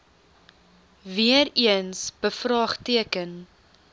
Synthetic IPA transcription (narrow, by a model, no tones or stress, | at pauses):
viəɾiənsb̥əfrɑːχtiəkən